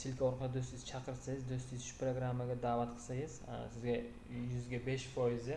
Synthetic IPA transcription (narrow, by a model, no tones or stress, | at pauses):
sɪlʲkʰʲaɒɾqʰɑd̪ad̪ɵst̪ɪjzt͡ʃʰaqʰɨɾɨsajɪzd̪ɵst̪ɪzʃpɾoɡɾamːaɡʲad̪aːvat̪qʰəɨ̥sajɪz̰sɪzɡʲa | jʊzɡʲabe̞ʃfojɪzɪ